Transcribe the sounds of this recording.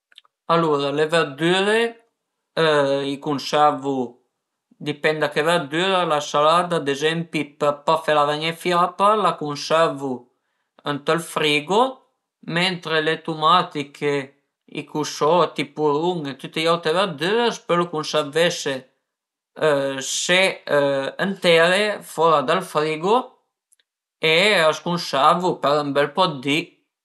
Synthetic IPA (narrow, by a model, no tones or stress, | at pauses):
aluɾalevəɾd̪yɾe | ikunsɛɾvu | d̪ipɛnd̪akevɛɾd̪yːɾalasalad̪aːd̪ezɛmpipəɾpafelavɛɲefjapalakunsɛɾvu | ənt̪əlfɾiːɡo | mɛnt̪ɾelet̪umat̪ikʰe | ḭkusɔt̪ipuluŋet̪yt̪ːejawt̪evad̪øəspelukunsɛvese | se | ənt̪eɾefɔɾad̪əlfɾiɡo | eəskunsɛɾvupɛɾəmbɛlpɔd̪i